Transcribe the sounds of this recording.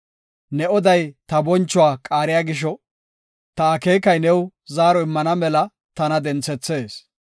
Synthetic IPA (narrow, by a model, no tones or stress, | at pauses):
nɛɔd̪ɐjt̪ɐbɔnt͡ʃːʊwaːkʼaːɾɪjaːɡɪʃ̬ɔ | t̪ɐːke̞ːkɐjnɛw | zaːɾɔɪmːɐnɐmɛlɐ | t̪ɐnɐd̪ɛnt͡sːɛt͡sːe̞ːs